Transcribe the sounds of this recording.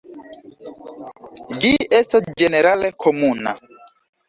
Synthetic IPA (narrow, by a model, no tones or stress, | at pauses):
d͡ʒiʔɛst̪ad͡ʒeneɾalekʰomuna̰